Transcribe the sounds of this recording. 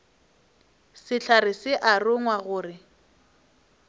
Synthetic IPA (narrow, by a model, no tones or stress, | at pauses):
sɪɬʰarɪsɪʔarʊŋwaɣʊːrɪ